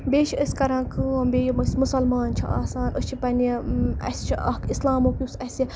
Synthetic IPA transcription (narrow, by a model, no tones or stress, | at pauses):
bʲeːt͡ʃʰiəsʲkɐɾãːkɨːbeːjmɐsmusɐlmaːnt͡ʃʰia̰ːsaːnosʲt͡ʃʰipɐnɐ̰sʲt͡ʃʰiʔɐkislaːmoːkjusɐsi